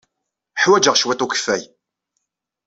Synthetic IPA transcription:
ħwæd͡ʒəʁʃwæt̪ˤukə̥fːæj

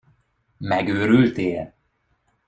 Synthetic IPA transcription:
mɛɡøːɾylt̪eː

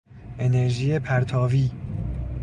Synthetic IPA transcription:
ʔe̞neɾʒiːepʰæɾt̪ʰɒːviː

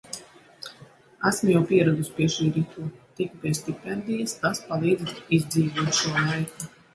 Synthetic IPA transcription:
æsmjawpiɛɾad̪uspʲiɛʃiːɾit̪ʰuːt̪ikupʲiɛst̪ipʲɛnd̪ijast̪aspalˠiːd̪zizd̪ziːvuɔt̪ʃuɔlˠajku

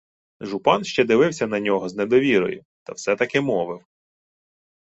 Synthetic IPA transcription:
ʒʊpɑnʃt͡ʃɛd̪ɪʋɪwsʲɐnɐnʲɔɦɔzned̪ɔʋʲiɾɔ̰jʊ̰ | t̪ɐwsɛt̪ɐkɪmɔʋɪw

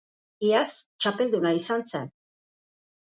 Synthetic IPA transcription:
iast͡ʃape̞ld̪unaisant͡sen

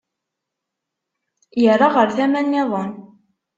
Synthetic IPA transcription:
jərˤːɑʁəɾθæmænːɪðˤɑn

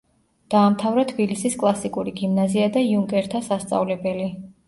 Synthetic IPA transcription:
d̪̥aːmt̪ʰavɾat̪ʰbilisiskʼlˠasikʼuɾiɡimnaziad̪aiuŋkʼɛɾt̪ʰasast̪sʼa̰vlɛbɛli

